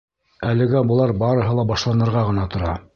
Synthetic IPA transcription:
ælɘ̆ɡæbŏlˠɑɾbɑɾɤ̆ɦɤlˠɑbɑʃlˠɑnɤ̆ɾʁɑʁɤ̆nɑt̪ŏɾɑ

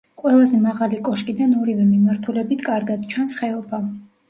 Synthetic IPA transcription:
qʼwɛlˠazɛmaʁalikʼɔʃkʼid̪anɔɾivɛmimaɾt̪ʰulɛbit̪ʰkʼaɾɡad̪̥t͡ʃʰwansχɛɔpʰa

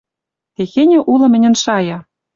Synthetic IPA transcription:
t̪exenʲĕʔulɤ̆mɘ̆nʲɘ̆nʃɑjɑ

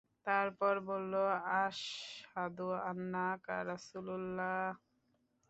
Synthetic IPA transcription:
t̪aɾpɔɾbolːoaʃhad̪uanːaka̰ɾasululːa

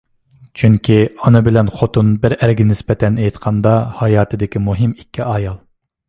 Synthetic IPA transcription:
t͡ʃʰyŋkʲʰiɑnɨbɪlɛnχot̪unbɪɾæɾɡʲinɪsbɛt̪ʰɛnejt̪qʰɑnd̪ɑhɑjɑːt̪ʰɨd̪ɪkʲimuɦɪmikʲʰːiɑjɑlˠ

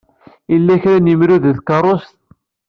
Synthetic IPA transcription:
ilːæçɾænjəmɾuððkɑɾˤost̪̚

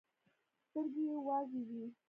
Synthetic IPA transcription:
st̪əɾɡejewɑzewi

